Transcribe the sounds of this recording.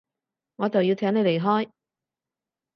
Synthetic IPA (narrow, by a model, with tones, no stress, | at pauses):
ŋɔː˨˧t͡sɐ˨wji˧wt̪ʰɛː˨˥ŋe˨˧jle˨˩jɦɔː˥j